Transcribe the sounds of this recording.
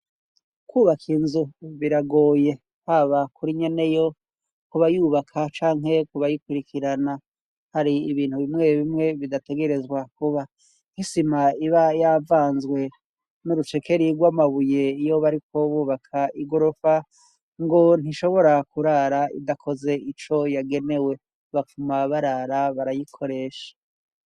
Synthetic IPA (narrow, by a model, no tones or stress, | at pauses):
kwuːβakʰinzuβiɾaɡo̞ːje̞ | haβakuɾiɲe̞ne̞jo̞ | kuβajuːβakʰat͡ʃaːŋɦe̞kuβajikwiɾikiɾana | haɾiiβiːn̥huβimŋeβimŋe̞βidate̞ɡe̞ɾe̞zɡwakuβa | hisimaiβajavaːnzɡwe̞ | nuɾut͡ʃe̞kʰe̞ɾiɡwaːmaβuje̞ijo̞βaɾikʰo̞βuːβakʰaiɡo̞ɾofa | ŋɡo̞n̥iʃo̞βo̞ɾakuɾaɾaḭdakʰo̞ze̞it͡ʃo̞jaɡe̞ne̞we̞ | βafumaβaɾaɾaβaɾajikʰo̞ɾe̞ʃḁ